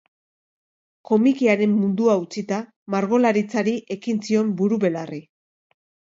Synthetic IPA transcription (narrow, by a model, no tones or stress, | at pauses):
ko̞mikiaɾe̞mːund̪uaut͡sit̪a | maɾɣo̞laɾit͡saɾiʔe̞kint͡sio̞mbuɾuβe̞lari